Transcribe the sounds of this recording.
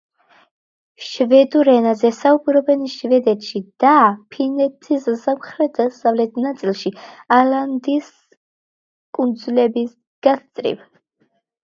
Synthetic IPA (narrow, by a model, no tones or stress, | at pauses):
ʃvɛd̪uɾɛnazɛsaubɾɔbɛnʃvɛd̪ɛt̪ʃid̪̥apʰinɛt̪ʰissamχɾɛt̪asavlɛt̪ʰnat̪sʼilˠʃialand̪is | kʼund̪zulɛbis | ɡ̥ast̪sʼɾḭv